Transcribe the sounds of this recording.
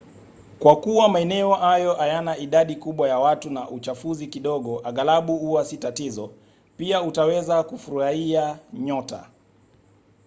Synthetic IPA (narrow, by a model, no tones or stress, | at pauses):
kwakuwamaɛnɛɔhajɔʔajanaiɗaɗikuɓwajawatunaʔut͡ʃafuzikiɗɔɠɔʔaɠalaɓuhuwasitatizɔ | piautawɛzakufuɾahiaɲɔta̰